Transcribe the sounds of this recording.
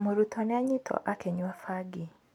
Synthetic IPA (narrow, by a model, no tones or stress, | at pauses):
muɾutʰɔneaɲitʰɔ̰ʔakɛɲwafaɡi